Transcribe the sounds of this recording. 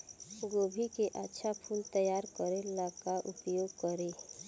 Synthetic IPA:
ʊɡoːbʱikeʔatːʃʰapʰuːlt̪əjaːɾkəɾelakaʔʊpjoːɡ̚kəɾe

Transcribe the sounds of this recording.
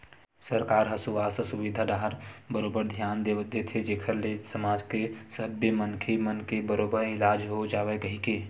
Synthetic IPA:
səɾkaːɾɦəsuʋaːsəsuʋid̪ʱad̪aɦəɾbəɾoːbəɾd̪ʱjaːnd̪et̪ʰed͡ʒeːkʰəɾlesəmaːd͡ʒkesəbemənkʰemənkebəɾoːbəɾɪlaːd͡ʒɦod͡ʒaːʋekəɦike

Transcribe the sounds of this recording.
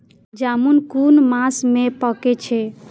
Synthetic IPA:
d͡ʒamunkunmasmepəket͡ʃʰɛ

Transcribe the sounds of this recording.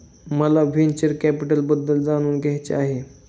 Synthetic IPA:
məlaʋent͡ɕəɾkæpiʈəlbəd̪ːəld͡zaɽ̃uːnɡʱɛɦt͡ɕḛaɦe

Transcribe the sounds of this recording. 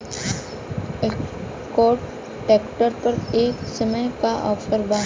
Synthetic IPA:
koːɾʈ | eːkʈəɾpəɾeːksəməjkaʔɔːfəɾbaː

